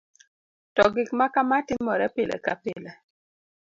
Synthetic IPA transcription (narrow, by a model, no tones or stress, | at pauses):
tɔɡɪkmakamatɪŋmɔɾɛpɪlɛ̰kapɪlɛ